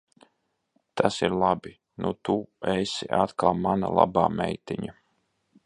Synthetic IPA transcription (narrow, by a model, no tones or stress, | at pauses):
t̪ʰasiɾlˠabi | nʔut̪uɛsiʔat̪kalˠmana̰lˠa̰baːmɛ̰jt̪iɲa